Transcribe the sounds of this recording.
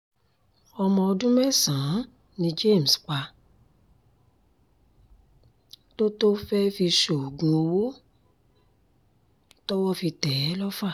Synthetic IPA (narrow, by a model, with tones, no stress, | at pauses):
ɔ˧mɔ̃˧ɔ˧dũ˦mɛ˦˨sã˨˦ | nĩ˧d͡ʒe˦˨m̩˨sk͡pa˧ | to˦to˦fɛ˦fi˧ʃo˨ɡũ˨o˧wo˦ | tɔ˦wɔ˦fi˧tɛ˨˦lɔ˦fa˦˨